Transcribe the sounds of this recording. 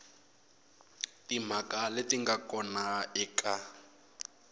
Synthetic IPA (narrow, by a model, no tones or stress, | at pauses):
tim̤akaletiŋɡakʼɔnaɛka